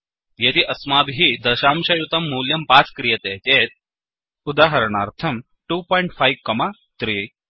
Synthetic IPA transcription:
jet̪iʔɐsmabɦiːd̪ɐʃamɕɐjut̪ɐmːuljɐmpat͡skɾijɐt̪et̪et̪̚ | ud̪aːɦəɾɳaɾt̪ʰɐm | ʈupɔːiɳʈfajʋkɐma | t̪ɾiː

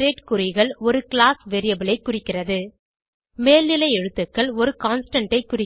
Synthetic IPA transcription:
ɾeːʈkʊɾɪɣɐɭɔɾɯkɪɭaːsʋeːɾɪjɐbɪɭɐɪkːʊrɪkːɪrɐðɯ | meːlnɪlɐɪɛɻɯt̪ːɯkːɐɭɔɾɯkaːnsʈɐɳʈɐɪkːʊrɪ

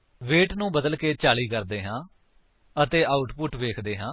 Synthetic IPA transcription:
ʋeːʈnũːbəd̪əlkeːt͡ʃaːliːkəɾd̪eːɦãː | ət̪eːʔaːʊʈpʊʈʋeːkʰd̪eːɦãː

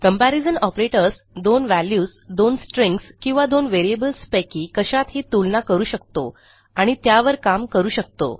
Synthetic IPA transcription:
kəmpæɾid͡zənɔpɾeʈəɾs | d̪onʋæljuːsd̪onsʈɾeŋkskĩw̃ʋad̪onʋeɾiebəlspakikəɕat̪ɦit̪ulnakəɾuːɕək̚t̪o̰ | aɽ̃it̪jaʋəɾkamkəɾuːɕək̚t̪o̰

